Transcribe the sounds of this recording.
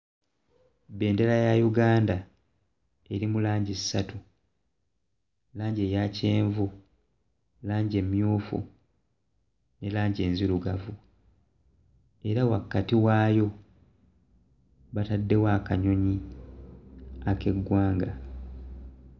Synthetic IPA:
be̞ːnde̞lajajuɡaːnda | eɾimulaːɲɟisːatu | laːɲɟe̞jace̞ːɱvu | laːɲɟe̞mːjuːfṵ | ne̞laːɲɟe̞ːnziluɡavu | e̞ɾawakːatiwaːjo̞ | βatadːe̞waːkaɲo̞ɲi | ake̞ɡwaːŋɡa

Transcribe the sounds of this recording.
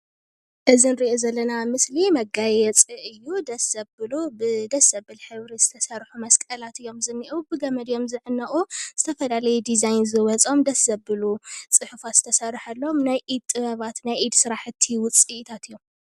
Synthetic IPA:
ʔɨzinɾiʔozɐlːɐnamɨslimɐɡajɛt͡sʼiʔɨjːud̪ɐsɐbbɨlubɨd̪ɐsɐbɨlħɨβɾiz̥ɨt̪ʰɐsɐrħumɐskʼɐlat̪ʰɨjːo̞mzɨnːiʔubɨɡɐmɐd̪jo̞mzɨʕɨnːɐʔʼuz̥ɨt̪ʰɐfɐlalɐjɛd̪izajnzɨwɐt͡sʼo̞md̪ɐsɐbːɨlut͡sʼɨħfaz̥ɨt̪ʰɐsɐrːħalːɐomnajʔid̪̚t̪ʼːɨβɐβat̪najid̪sɨɾaħɨt̪ʰːiwʊt͡sʼit̪ʰat̪ɨjːo̞m

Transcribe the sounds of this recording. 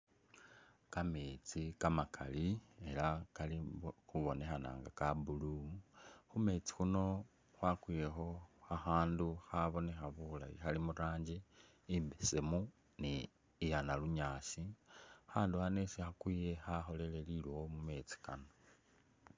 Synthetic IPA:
kameːt͡sikamakʰa̰lie̞lakalixuβo̞ne̞xana̰ːŋɡakabulu | xume̞ːt͡si̥xuno̞ | xwakwijexo̞axaːnduxaβo̞ne̞xaβula̰jixalimuɾaːɲɟi | imbesemu | niː | janaluɲaːsixaːnduxane̞sixakwije̞xaxo̞le̞le̞lilwomume̞ːt͡si̥kano

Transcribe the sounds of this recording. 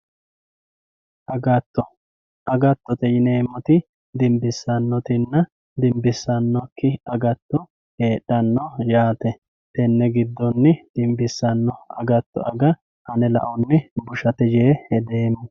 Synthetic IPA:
ʔɐɡɐt̪ːɔ | ʔɐɡɐt̪ːɔt̪ɛjɪne̞ːmːɔt̪ɪ | d̪ɪmbɪsːɐnːɔt̪ɪnːɐ | d̪ɪmbɪsːɐnːɔkːɪɐɡɐt̪ːɔ | heːɗːɐnːɔjaːt̪ɛ | t̪ɛnːɛɡɪd̪ːɔnːɪd̪̥ɪmbɪsːɐnːɔɐ̰ɡɐt̪ːɔ̰ɐɡɐ | hɐnɛlɐ̰ʔɔnːɪbʊʃɐt̪ɛd͡ʒeːhɛd̪eːmːɔ

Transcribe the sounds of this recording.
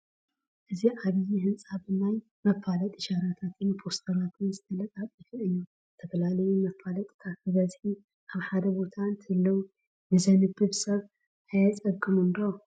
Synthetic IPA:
ʔɨziʔaβɨjːihɨnsʼaβɨnːaj | mɐfːalɐt̪ʼɨʃaɾat̪ʰat̪ʰɨnpʰo̞st̪ʰɐɾat̪ʰɨnzɨt̪ʰɐlɐt̪ʼatʼjɪfɨʔɨɲːu | zɨt̪ʰɐfɐlalɐjumɐfːalɐt̪ʼk̪ʰafɨbɐzħi | ʔaβħad̪ɐbo̞t̪ʰant̪ʰɨɨlːɐw | nɨzɐnɨbːɨβsɐβ | ajat͡sʼɐkʼːɨmund̪a

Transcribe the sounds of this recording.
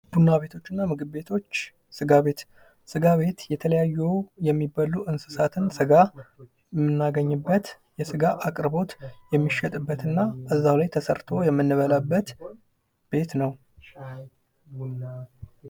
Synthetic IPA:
b̥unːaβe̞t̪ʰo̞t͡ʃːɨnːamɨɡɨbbe̞t̪ʰo̞t͡ʃː | sɨɡaβe̞t̪ | sɨɡaβe̞t̪jɛt̪ʰələjajːujɛmːibaluʔɨnsɨ̥sat̪ʰɨnsɨɡa | jɛmːɨnːaɡəɲːɨbːət̪ | jɛsɨɡaʔakʼɾbo̞t̪jɛmːiʃːɛt̪ʼɨbːət̪ɨnːaəzːawlajt̪ʰəsəɾt̪ʰo̞jɛmːɨnːɨβəlabːət̪ | b̥e̞t̪nəw

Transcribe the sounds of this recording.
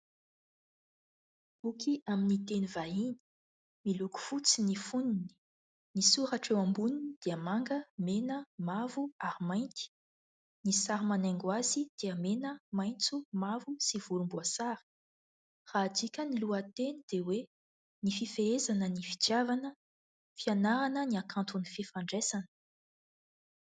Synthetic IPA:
b̥ukʰiaminit̪enuvaɦin̥i̥ | miluku̥fut͡sinifunini̥ | nisuɾaʈ͡ʂewambuninid̪̥eəmaŋɡəmenəmavuaɾimajnt̪i̥ | nisaɾimanaŋɡwazid̪̥eəmenəmajnt͡sumavusiv̥uɾumbuasaɾi̥ | raːd̪ikʲəniluət̪enid̪̥ewe | nififeezanənifi̥t̪javanə | fianaɾanəniakʰant̪unififaɳɖ͡ʐesanə̥

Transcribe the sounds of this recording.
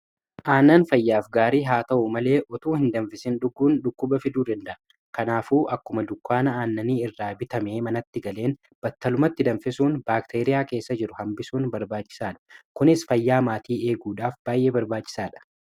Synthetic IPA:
ʔaːnːaːnfɐjːaːfɡaːɾiːɦaːt̪ɐʔʊmɐle̞ːʔɔt̪uːhɪnd̪ɐnfɪsɪnɗʊɡːuːnɗʊkːʊbɐfɪd̪uːd̪ɐnd̪ɐʔɐ | kɐnaːfuːʔɐkːʊmɐd̪ʊkːaːnɐaːnːɐniːɪrːaːbɪt̪ɐme̞ːmɐnɐt̪ːɪɡɐle̞ːn | b̥ɐt̪ːɐlʊmɐt̪ːɪd̪ɐnfɪsuːnbaːkt̪ʰeːɾɪjaːke̞ːsːɐd͡ʒɪɾʊhɐmbɪsuːnbɐɾbaːt͡ʃːɪ̥saːᶑɐ̥kʊnɪsfɐjːaːmaːt̪iːe̞ːɡuːᶑaːfb̥aːjʔe̞ːbɐɾbaːt͡ʃːɪ̥saːᶑɐ̥

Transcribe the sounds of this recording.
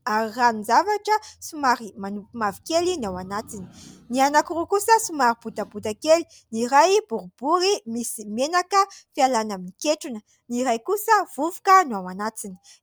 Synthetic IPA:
aɾiranizavaʈ͡ʂəsumaɾimanupimavikelinawanat͡sini̥nianakurukusəsumaɾib̥ud̪abud̪akeli̥ | niɾajbuɾubuɾimisimenakəfialanaminikeʈ͡ʂunə | niɾajkusəv̥uvu̥kənuawanat͡sini̥

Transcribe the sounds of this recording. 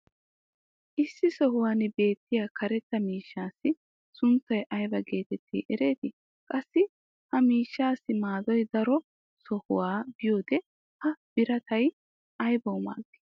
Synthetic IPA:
ʔɪsːɪsɔɦʊwaːnɪbe̞ːt̪ːɪjaːkɐɾɛt̪ːɐmiːʃːaːsːɪ | sʊnt̪ːɐjʔɐjbɐɡe̞ːt̪ɛt̪ʰːḭːʔɛɾe̞ːt̪ɪ | kʼɐsːɪ | hɐmiːʃːaːsːɪmaːd̪ɔjd̪ɐɾɔ | sɔhʊ̰waːbɪjo̞ːd̪ɛ | hɐb̥ɪɾɐt̪ɐj | ʔɐjbɐwʊma̰ːɡːɪ̥

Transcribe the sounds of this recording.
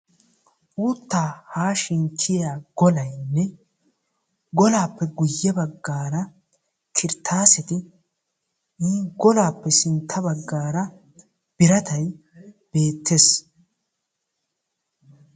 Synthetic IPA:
ʔuːt̪ːaːhaːʃɪŋkʰɪjaːɡ̥ɔlɐjnːɛ | ɡɔlaːpːɛɡʊjːɐbɐɡːaːɾɐ | kʰɪɾt̪ʰːaːsɪt̪ɪ | niːɡɔlaːpːɛsɪnt̪ʰːɐbɐɡːaːɾɐ | b̥ɪɾɐt̪ɐj | b̥e̞ːt̪ːes

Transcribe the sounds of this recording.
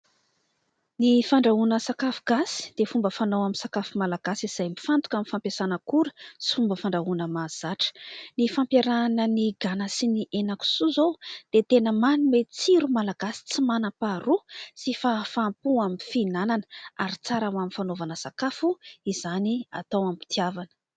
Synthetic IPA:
nifaɳɖ͡ʐaunəsakafuɡ̥asi̥d̪̥efumbəfanowamisakafumalaɡ̥asiz̥ajmifant̪u̥kʲamifampasanəkuɾə̥si̥fumbəfaɳɖ͡ʐaunəmaz̥aʈ͡ʂə̥nifampjaɾanəniɡanasiniʔenaku̥suzod̪̥et̪enəmanumet͡siɾumalaɡasi̥t͡simanapaɾusifafampuamifinananəaɾit͡saɾawaminfanovanəsakafuizania̰t̪owampi̥t̪iavanə̥

